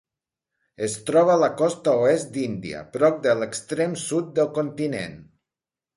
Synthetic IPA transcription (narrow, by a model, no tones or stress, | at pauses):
est̪ɾɔβ̞aːlakɔst̪aoesd̪ind̪ḭə̰pɾɔk̚d̪ələkst̪ɾemsut̪̚d̪əlˠkont̪inḛn